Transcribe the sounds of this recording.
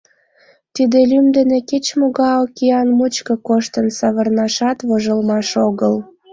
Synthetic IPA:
t̪id̪elymd̪ə̆neket͡ɕmoɣɑokiɑnmut͡ɕkɤkoʃt̪ənsɑβərnɑʃɑt̪βoʒəlmɑʃoɣəl

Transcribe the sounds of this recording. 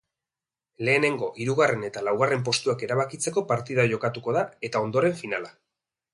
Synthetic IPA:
le̞ːne̞ŋɡo̞ʔiɾuɣare̞ne̞t̪alawɣ̞are̞mp̬o̞st̪uake̞ɾaβakit͡se̞ko̞paɾt̪iðaʝo̞kat̪uko̞ð̞ae̞t̪ao̞nd̪o̞ɾe̞ɱfinala

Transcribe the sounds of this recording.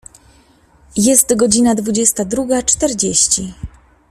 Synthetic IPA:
jɛst̪ɡɔd͡ʑinad̪vud͡ʑɛst̪ad̪ɾuɡat͡ʂt̪ɛɾd͡ʑeɕt͡ɕi

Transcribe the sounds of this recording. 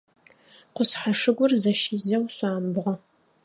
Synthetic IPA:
qʷʊsħaʂɨɡʷʊrzɐʃiːzɐwɕʷaːmbʁʷɔ

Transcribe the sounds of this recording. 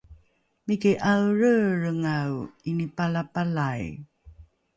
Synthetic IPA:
mikiʔawɻəɻəŋawinipalapalaj

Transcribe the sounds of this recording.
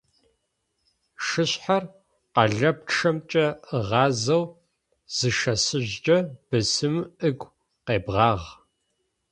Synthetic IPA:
ʃɨɕħar | qɑɮɐp̚ʈ͡ʂʰɐmt͡ʃʼɐəʁɑːzɐw | z̥ɨʃɐsɨʑd͡ʒʼɐb̥ɨsɨmɨɡʷ | qeːbʁɑːʁ

